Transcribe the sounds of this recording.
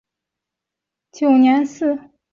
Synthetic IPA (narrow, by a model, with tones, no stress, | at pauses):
t͡ɕjo˨˩ʊnjɛ˧˥nsɹ̩˥˩